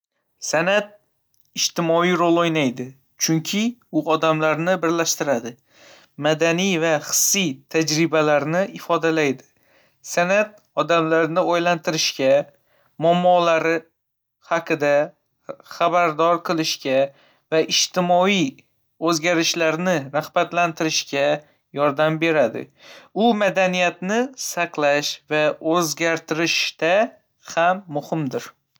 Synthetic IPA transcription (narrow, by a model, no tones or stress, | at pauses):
sanat̪̚ | ɪʃt̪ɪmɒijɾolˠojnajd̪ɪ | t͡ʃʰʊŋkʲʰɪʊʔɒd̪amlaɾnɪbɪɾlaʃt̪ɪɾad̪ɪ | mad̪anijvaχɨ̥sːijt̪ʰad͡ʒɾɪbalaɾnɪɪfɒd̪alajd̪ɪ̥ | sanat̪̚ | ɒd̪amlaɾnɪojlant̪ʰɪɾɪʃkʲa | mɒmːɒlaɾɪ | haqʰɨd̪a | χabaɾd̪ɒɾqʰɨlˠɪʃkʲa | vaɪʃt̪ɪmɒij | ɵzɡʲaɾɪʃlaɾnɪɾahbat̪lant̪ʰɪɾɪʃkʲa | jɒɾd̪ambe̞ɾad̪ɪ̰ʊmad̪anijat̪nɪsɑqlˠaʃvaɵzɡʲaɾt̪ʰɪɾɪʃt̪a | hamːʊhɪmd̪ɪɾ